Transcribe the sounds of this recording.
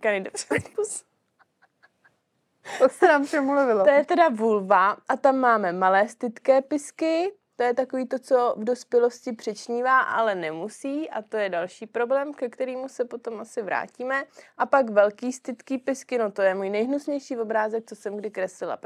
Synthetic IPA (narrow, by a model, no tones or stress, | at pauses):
kanɪdofius | t̪osɛnaːmfʃɛmuluvɪloojɛt̪ɛdavulvaʔat̪amːaːmɛmalɛːst̪ɪt̪kɛːpɪskɪt̪o̞jɛt̪ako̞viːt̪o̞t͡so̞vdo̞spjɛlo̞scɪpr̥ɛt͡ʃɲiːvaːʔa̰lɛnɛmusiːʔa̰t̪o̞jɛdalʃiːpɾo̞blɛːmkɛkt̪ɛɾiːmusɛpo̞t̪o̞mʔasɪvɾa̰ːciːmɛʔapakvɛlkiːst̪ɪt̪kiːpɪskɪno̞t̪o̞jɛmuːjnɛjɦnusɲɛjʃiːvo̞bɾaːzɛk̚t͡sosɛmɡdɪkɾɛslɪla̰p